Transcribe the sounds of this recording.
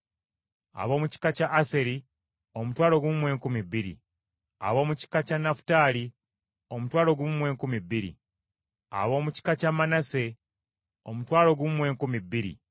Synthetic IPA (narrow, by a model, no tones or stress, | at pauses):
a̰βo̞ːmuci̥kacaʔːse̞ɾi | omutwaːlo̞ɡumumwe̞ːkumibːiɾḭ | a̰βo̞ːmuci̥kacanafu̥taːli | omutwaːlo̞ɡuumwe̞ːŋkumibːiɾḭ | a̰o̞ːmuci̥kacamanase̞ | o̞mutwaːlo̞ɡumumwe̞ːŋkumibːiɾḭ